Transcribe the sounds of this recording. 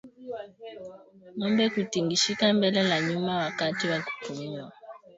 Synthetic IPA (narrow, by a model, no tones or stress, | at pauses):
mɔmbɛkutiŋɡiʃikambɛlɛlaɲumawakatiwaku̥fumuwa